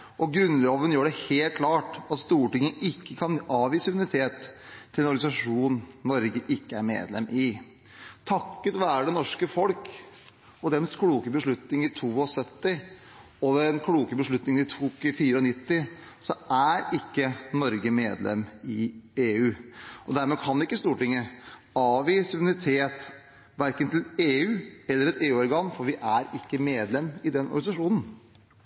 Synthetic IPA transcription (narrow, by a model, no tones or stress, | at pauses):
ʔɔɡɾʉnːloːʋənəjøːɖɛheːlt̪̚kʰlɑːʈɑt̪st̪uːʈɪŋːəʔɪkːəkʰɑnɑːʋiːsəʉnɪt̪ʰeːt̪ʰːɪlɛnɔɾɡɑnɪsɑʂuːnnɔɾɡəʔɪkːəæɾmḛːd̪lɛ̰mʔɪ | t̪ʰɑkːət̪ʋæːɾəɖɛnɔʂkəfɔlk | ɔd̪ɛnskʰɽuːkəbəʂɭʉt̪nɪŋɪt̪ʰuːɔsœt̪ːɪ | ɔd̪ɛnkʰɽuːkəbəʂɭʉt̪nɪŋənɪt̪ʰuːkfiːɾəɔnɪt̪ːɪ | sɔæɾɪkːənɔɾɡəmeːd̪lɛ̰mːɪeːʉːʔɔd̪æɾmɛːkʰɑnd̪ɛɪkːəst̪uːʈɪŋːə | ɑʋɪsʊmnɾɪt̪ʰeːt̪ | ʋæɾkənt̪ʰɪleːʉːɛlːəɾɛt̪eːʉːɔɾɡɑŋːfɔɾʋɪʔæɾɪkːəmeːd̪lɛmːɪd̪ɛnʔɔ̰ɾɡɑnɪsɑʂuːnn̩